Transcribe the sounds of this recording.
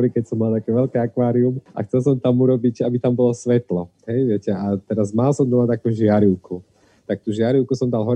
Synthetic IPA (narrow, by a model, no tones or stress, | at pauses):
ɾikɛcsɔmːalt̪akɛːʋɛlkɛakʋaːɾiumʔa̰xtt͡sɛls̬ɔmt̪amuɾɔbiɟabit̪ambɔlɔsʋɛt̪lɔɦɛjʋɪɛcɛat̪ɛɾazmalsɔmd̪ɔlat̪akuːʒɪaɾiʊku | t̪ak̚t̪uʒɪaɾiʊkusɔmd̪alɦɔ